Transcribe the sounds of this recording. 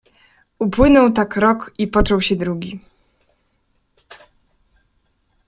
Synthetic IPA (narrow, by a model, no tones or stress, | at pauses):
upwɘnɔwt̪akɾɔkipɔt͡ʂɔwɕɛd̪ɾuɡʲi